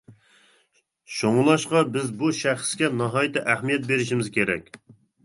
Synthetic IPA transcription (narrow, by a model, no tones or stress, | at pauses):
ʃoŋlˠɑʃqɑbɪzbuʃæχskʲɛnɑɦɑjit̪ɪʔæhmijɛt̪̚beɾɪʃimɪzkʲʰeɾɛ̰kʲ